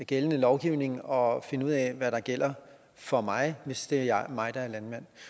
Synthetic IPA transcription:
ɡ̥elənəlɒʊɡ̥iʊne̝ŋɒ̽fe̝nəuð̰ˠɛʋæɾ̥ɑ̈ɡ̥el̰ɐ | fɒ̽mɑ̈ɪʋe̝sd̥e̝ɑmɑ̈ɪd̥ɑ̈æɐlænmæn̰

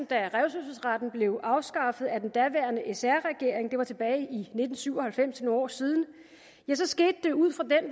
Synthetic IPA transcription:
n̩d̥æʁɛʊsøsəsʁɑd̥n̩b̥le̝ʊʔɑ̈ʊsɡ̥ɑ̈fð̞̩ˠæd̥end̥æʋæɐnəʔesæɐʁɛɡ̥e̝̰ɐ̰eŋd̥e̝ʋɑ̈t͡sʰe̝b̥ɛːɪʔine̝d̥n̩syʊ̰ɒ̽hælfem̰senɒ̰ːsiːð̞ˠn̩ | jæsɒ̽sɡ̥e̝̰ːd̥ːe̝uð̞̰ˠfʁɑ̈d̥en

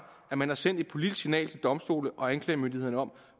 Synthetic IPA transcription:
æmænæ̈sen̰d̥e̝d̥̚pʰo̝lid̥sinɛ̰ːlt͡sʰe̝ld̥ɒ̽msd̥o̝̰ːləʔɒ̽ænkʰlɛːɪmønd̥ihe̝ð̰ˠnəɒ̽m̰

